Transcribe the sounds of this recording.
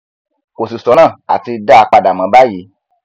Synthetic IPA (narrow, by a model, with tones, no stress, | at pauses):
ko˨si˨sɔ˨˦nãː˦˨a̰˨ti˧da˦˧k͡pa˧da˨mã˨˦ba˦ji˨˦